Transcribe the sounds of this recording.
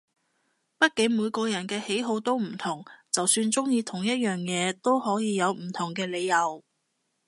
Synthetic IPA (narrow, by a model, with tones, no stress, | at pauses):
pɐ˥t̚kɪ˨˥ŋmuː˨˧jkɔː˧jɐ˨˩nkɛː˧he˨˥jɦo˧wt̪o˥wm̩˨˩t̪ʰʊ˨˩ŋt͡sɐ˨wsyː˧nt͡sʊ˥ŋjiː˧t̪ʰʊ˨˩ŋjɐ˥t̚jœː˨ŋjɛː˨˧t̪o˥whɔː˨˥jiː˨˧jɐ˨˧wm̩˨˩t̪ʰʊ˨˩ŋkɛː˧le˨˧jːɐ˨˧w